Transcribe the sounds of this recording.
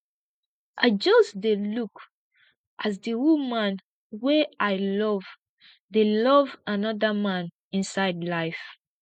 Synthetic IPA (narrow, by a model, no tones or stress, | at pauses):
ʔad͡ʒɔsdeluk | ʔazdiwumãn | weʔaɪlɔv | delɔvanɔðəmãn | ĩnsaɪdlaɪf